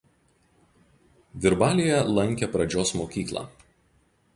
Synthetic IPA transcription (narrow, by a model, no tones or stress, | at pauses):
ʋʲɪɾbɑːlʲijɛlˠɐŋʲˑkʲɛpɾɐd͡ʒʲoːsmoːkʲiːklˠɑ̰ː